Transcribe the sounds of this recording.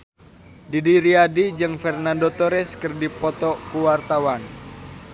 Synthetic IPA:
didiɾiadid͡ʒɨŋfɛrnandot̪ɔɾɛskərdipɔt̪ɔkuwart̪awan

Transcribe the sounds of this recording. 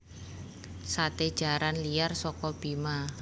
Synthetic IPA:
sat̪ed̥ʒ̥a̤ɾanlijarsɔkɔb̥ima

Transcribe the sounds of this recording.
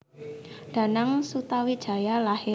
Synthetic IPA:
d̥a̤naŋsut̪awid̥ʒ̥a̤jalahɪ

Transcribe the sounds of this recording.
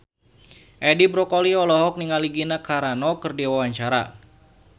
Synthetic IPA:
ʔɛdibɾɔkɔliɔlɔɦɔk̚niŋaliɡinakaɾanɔkərdiwawaɲt͡ʃaɾa̰

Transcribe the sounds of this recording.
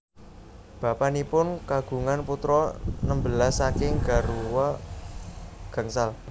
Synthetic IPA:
b̥ä̤panipʊnkaɡ̥ṳŋanput̪ɾɔnəmbəlasːakɪŋɡ̥a̤ɾuwɔ | ɡ̥a̤ŋsal

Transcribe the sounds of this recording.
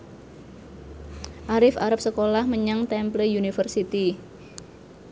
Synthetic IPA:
ʔaɾɪfaɾap̚səkolahməɲaŋt̪ɛmplejunifərsit̪i

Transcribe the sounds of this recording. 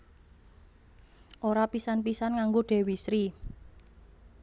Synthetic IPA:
ʔoɾapisanpisanŋaŋɡoɖ̥e̤wisɾi

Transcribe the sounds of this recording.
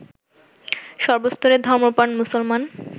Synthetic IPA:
ʃɔɾbost̪ʰoɾed̪ʱɔɾmopanmusolman

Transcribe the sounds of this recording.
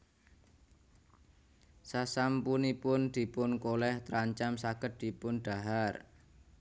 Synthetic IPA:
sasampunipʊnd̪̥i̤pʊnkolɛht̪əɾaɲt͡ʃamsaɡ̥ət̪̚d̪̥i̤pʊnɖ̥a̤ɦar

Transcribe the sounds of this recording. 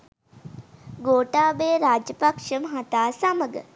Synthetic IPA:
ɡoːʈaːbeːɾaːd͡ʒəpakʂəmɦat̪aːsaməɡə̰

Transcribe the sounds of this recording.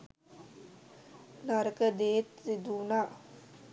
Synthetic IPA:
naɾəkəd̪eːt̪sid̪uːnaː

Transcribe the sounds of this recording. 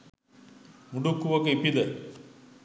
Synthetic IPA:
muɖukːuʋɐkeipid̪ə

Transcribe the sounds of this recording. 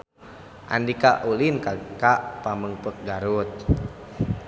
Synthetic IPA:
ʔa̰ndika̰ʔulinkakaʔpaməŋpək̚ɡaɾut̪̚

